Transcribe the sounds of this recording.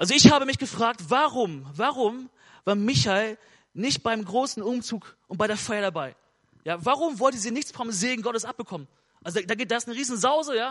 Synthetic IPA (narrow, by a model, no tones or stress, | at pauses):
ʔalzoɪçhaːbəmɪçɡ̥əfʁ̥aːk̚tv̥aʁʊmvaʁʊm | vaːɐmɪçaɪl | nɪçt̚b̥aɪmɡʁoːsn̩ʊmt͡suːkʔʊnt̚b̥aɪɾeːɐfaɪɐɾabaɪ | jaːvaːʁʊmvɔltəziːnɪçt͡sfɔzeːɡŋ̩ɡɔtəsʔap̚b̥əkʰɔmən | ʔalzodaːɡed̥aɪsnəʁiːzn̩zaʊzəjaː